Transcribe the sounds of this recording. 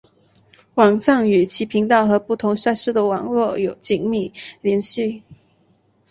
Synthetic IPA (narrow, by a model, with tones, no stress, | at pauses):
wɑ˨˩ŋʈ͡ʂɑ˥˩ŋy˨˩t͡ɕʰi˧˥pʰi˧˥ŋt̪̬ɑ˥˩ʊxɤ˧˥pu˥˩t̪ʰʊ˧˥ŋɕja˥˧ʂɻ̩˥˩d̪ə˩wɑ̰˨˩ŋlwɔ˥˩jo˨˩ʊt͡ɕi˥˩ŋmi˥˩ljɛ˧˥nɕi˥˩